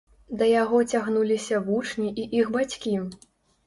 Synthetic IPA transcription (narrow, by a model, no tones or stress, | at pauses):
d̪ɐjaɣɔt͡sʲaɣnulʲisʲɐvut͡ʂnʲiʔiʔiɣbat͡sʲkʲi